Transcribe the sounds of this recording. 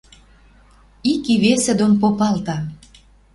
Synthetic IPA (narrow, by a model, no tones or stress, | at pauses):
ikiβesed̪onpopɑlt̪ɑ